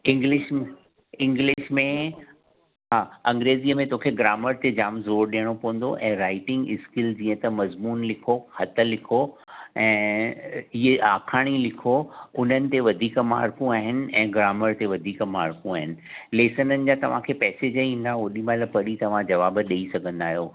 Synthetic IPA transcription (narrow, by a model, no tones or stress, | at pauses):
ɪ̃ŋɡlɪʃm | ɪ̃ŋɡlɪʃmẽ | ɦaːɐ̃ŋɡɾeːziːəmẽt̪okʰeɡɾaːməɾt̪ed͡ʑaːmzoːɾɗijəɽ̃opɐʋə̃n̆d̪o̰ʔɛ̃ːɾaːɪʈɪ̃ŋɡɪskɪld͡ʑĩːə̃t̪ɐmɐzmuːnlɪkʰohɐt̪ə̆lɪkʰoɛ̃ː | ɪɦeaːkʰaːɽ̃ilɪkʰoʊn̤ənɪ̆t̪eʋɐd̪ʱiːkma̰ːɾkũaːɦɪnɪ̆ɛ̃ːɡɾaːməɾt̪eʋɐd̪ʱiːkmaːɾkũaːɦɪnɪ̆leːsənənɪ̆d͡ʑat̪ɐʋ̤ãkʰepɛːsed͡ʑəĩːn̆d̪aoɗĩmaːləpɐɽit̪ɐʋ̤ãd͡ʑɐʋaːbɗɐisɐɡʱə̃nd̪aːɦijoː